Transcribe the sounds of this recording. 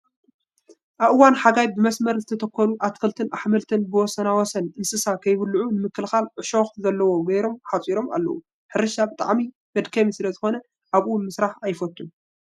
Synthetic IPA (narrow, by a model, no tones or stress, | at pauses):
ʔaβʔɨwanħaɡajbɨmɐsmɐɾzɨt̪ʰɐt̪ʰɐkʰːɐnuʔat̪kʰɐlt̪ʰɨnʔaħmɐlt̪ʰɨnbɨwɔsɐnawɔsɐnʔɨnsɨsakʰɐjβlːʕunɨmɨkːɨlxalʕɨʃoxzɐlːɐwo̞ɡɐjɾo̞mħat͡sʼiɾo̞ma̰lːɐ̰wu | ħɨɾɨʃabɨt̪ʼa̰ʕmi | b̥ɐd̪kʰɐmisɨlɐzɨxo̞nɐ | ʔaβʔmɨsɾaħajɪfɐt̪ːun